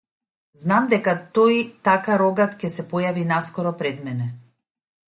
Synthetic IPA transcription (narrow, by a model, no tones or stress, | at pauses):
znamd̪ɛkat̪ɔjt̪akaɾɔɡat̪cɛsɛpɔjavinaskɔɾɔpɾɛd̪mɛnɛ